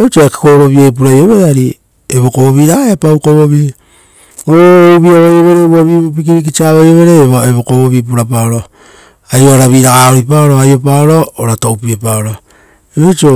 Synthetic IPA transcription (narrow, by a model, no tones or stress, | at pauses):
et͡ʃoaki̥koɾo̞βiep̬uɾajo̞βe̞ɾeaɾi | eβo̞koβoβiɾaɡaeapawkoβoβi | ouβiaβajoβe̞ɾeoβiβop̬ikiɾik̬it͡ʃaβajo̞βe̞ɾeβeβokoβoβip̬uɾapaoɾo | ajoaɾaβiɾaɡaoɾipaoɾoajopaoɾoːɾatoupiepaoɾo | eβet͡ʃo